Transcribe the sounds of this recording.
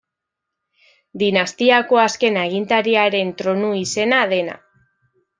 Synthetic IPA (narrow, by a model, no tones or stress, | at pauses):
d̪inast̪iako̞aske̞neɣ̞int̪aɾiaɾe̞nt̪ɾo̞nuise̞naðe̞na̰